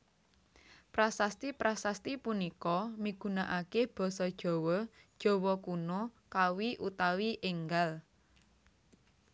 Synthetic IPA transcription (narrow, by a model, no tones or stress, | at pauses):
pɾasast̪ipɾasast̪ipunikɔmiɡ̥ṳnaʔakeb̥ɔ̤sɔd̥ʒ̥ɔ̤wɔd̥ʒ̥ɔ̤wɔkunokawiʔut̪awiʔeŋɡal